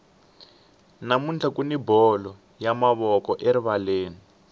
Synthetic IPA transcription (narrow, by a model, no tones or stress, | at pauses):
namund͡ɮʰakunibɔlɔ | jamaβɔkɔʔeɾiβaleːni